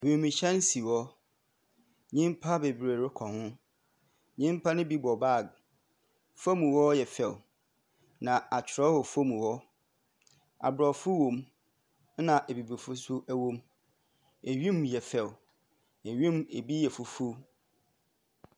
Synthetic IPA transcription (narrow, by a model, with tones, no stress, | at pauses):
wẽ˨mĩ˨ɕɛ̃˦n˦si˨wɔ˦ | ɲĩ˦mpʰa˦be˨bɾe˨ɾɪ˦kʰɔ˨hʊ̃˦ | ɲĩ˦mpʰa˦nʊ̃˦bi˦bɔ˨ba˦˨ɡ | fo˦mũ˨wɔ˦jɛ˨fɛ˨w | nã˨a˨t͡ɕʰᶣɪ˨ɾɔ˦hɔ˨fo˦mũ˨wɔ˦ | a̰˨bɾɔ˨fʊ˦wõ˨m˦ | nã˨ʔe˨bi˨be˨fʊ˦sʊ˦ʔæ˦wõ˦m | e˨ɥĩ˦mjɛ˨fɛ˨w | e˨ɥĩ˦me˨bi˦jɛ˨fu˨fu˦